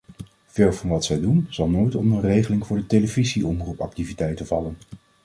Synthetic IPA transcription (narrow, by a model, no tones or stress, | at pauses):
v̥eːlˠvɑnʋɑtsɛjdunz̥ɑlˠnojtɔmənrejχəlɪŋvʊːɹdətejləviziʔɔmrupɑk̚tivitɛjtənvɑlən